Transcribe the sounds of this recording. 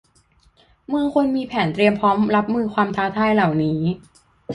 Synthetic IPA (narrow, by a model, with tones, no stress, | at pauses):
mɯ˧əŋkʰo˧nmiː˧pʰɛː˩˦nt̪ɾi˧əmpʰɔː˦˥mɾa˦˥p̚mɯː˧kʰwaː˧mt̪ʰaː˧˥t̪ʰaː˧jla˨˩wniː˦˥